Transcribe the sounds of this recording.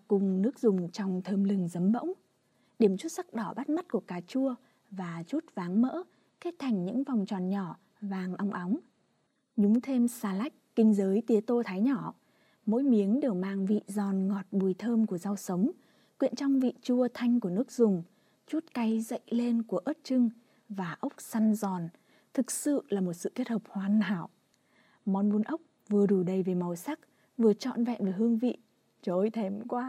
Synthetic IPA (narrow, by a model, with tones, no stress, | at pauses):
kʊ˨˩ŋ͡mnɨ˦˥ək̚zʊ˨˩ŋ͡mt͡ɕɔ˧wŋ͡mt̪ʰəː˧mlɨ˨˩ŋzə˨˦mɓə̰˧˥wŋ͡m | ɗi˧˩əmt͡ɕu˦˥t̚sa˦˥k̚ɗɔ˧˩ɓa˦˥t̚m˦˥t̚ku˧˩əkaː˨˩t͡ɕu˧ə | vaː˨˩t͡ɕu˦˥t̚vaː˨˦ŋmə̰ː˧˥ | ke˦˥t̚t̪ʰa˨˩jŋ̟ɲɨ̰˧˥ŋva˨˩wŋ͡mt͡ɕɔ˨˩nɲɔ˧˩ | vaː˨˩ŋʔa˧wŋ͡mʔa˨˦wŋ͡m | ɲʊ˨˦ŋ͡mt̪ʰe˧msaː˧la˦˥jk̚kï˧ŋ̟zəː˨˦jt̪i˨˦ət̪o˧t̪ʰaː˨˦jɲɔ˧˩ | mo̰˧˥jmi˨˦ənɗe˨˩əwmaː˧ŋvḭ˧˨zɔ˨˩nŋɔ˨˩t̚ɓu˨˩jt̪ʰəː˧mku˧˩əza˧wsə˨˦wŋ͡m | kwḭ˧˨ənt͡ɕɔ˧wŋ͡mvḭ˧˨t͡ɕu˧ət̪ʰa˧jŋ̟ku˧˩ənɨ˦˥ək̚zʊ˨˩ŋ͡m | t͡ɕu˦˥t̚ka˨˦jzə̰˧˨jle˧nku˧˩əʔəː˦˥t̚t͡ɕɨ˧ŋ | vaː˨˩ʔə˦˥wk͡p̚sa˧nzɔ˨˩n | t̪ʰɨ˨˩k̚sɨ̰˧˨laː˨˩mo˨˩t̚sɨ̰˧˨ke˦˥t̚hə˨˩p̚hwaː˨˩nha̰ː˧˩w | mɔ˨˩nɓu˧nʔə˦˥wk͡p̚ | vɨ˨˩əɗu˨˧˩ɗə˨˩jve˨˩ma˨˩wsa˦˥k̚ | vɨ˨˩ət͡ɕɔ̰˧˨nvɛ̰˧˨nve˨˩ɦɨ˧əŋvḭ˧˨ | t͡ɕo˨˦jt̪ʰɛ˨˩mkwaː˧